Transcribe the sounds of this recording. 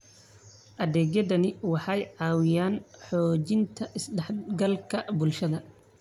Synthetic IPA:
ʔɐðɛːɡjɐdɐnɪwɑħɑjʕɑːwɪjaːnħɔːt͡ʃɪnt̪ʰɐʔɪsɖɛħɡɐlkʰɐbʊlʃɐðɐ

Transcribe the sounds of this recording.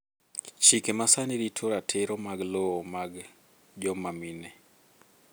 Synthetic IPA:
t͡ʃikemasaniɾitʰoɾatʰeɾɔmaɡloɔmaɡ | d͡ʒɔmaminɛ

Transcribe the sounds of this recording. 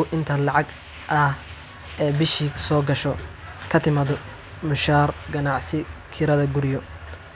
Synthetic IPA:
ʊʔɪnt̪ʰɐlɑʕɑɡ | ʔɐh | ʔɛːbɪʃisɔːɡɐʃɔkʰɐt̪ʰɪmaːðʊ | mʊʃaːrɡɐnɑʕsɪkʰɪɾɐðɐɡʊɾɪjɔ

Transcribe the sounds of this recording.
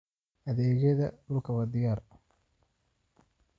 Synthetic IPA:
ʔɐðɛːd͡ʒɐðɐ̰ɖʊlkʰɐβɐd̪ɪjaːr

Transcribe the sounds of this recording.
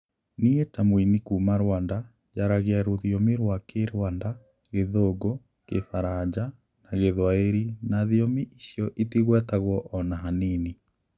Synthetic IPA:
nietamwinikuːmaɾwanda | d͡ʒaɾaɣeaɾoðjomiɾwakeɾwanda | ɣeðoɡo | kefaɾad͡ʒa | naɣeðwaeɾinaðjomiʔiʃjɔʔitiɣwɛtaɣwɔʔɔnaɦanini

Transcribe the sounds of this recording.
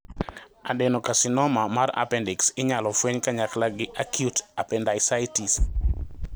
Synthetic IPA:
adɛnɔkasɪnɔmamara̰pɛndɛksɪɲalɔfweɲkaɲaklaɡɪʔakjutapɛndajsaitis

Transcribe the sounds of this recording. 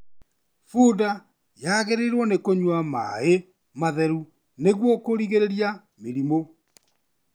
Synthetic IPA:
fuda | jaɣeɾeɾwɔnekoɲwama̰e | maðɛɾu | neɣwɔkoɾiɣeɾeɾja | meɾimo

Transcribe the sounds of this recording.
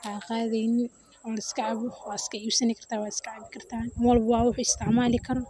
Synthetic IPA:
ʔaːqɑːðɛjnɪ | ɔːlɐɪskʰɐʕɑβɔwaːd̪ɪskʰɐiːbsɐnɪkʰɐr̥t̪ʰaːwaːd̪ɪskʰɐʕɑβɪkʰɐrt̪ʰaːnɪwɑlbɐwɑːwʊħʊɪst̪ʰɪʕmaːlɪkʰɐɾɔ

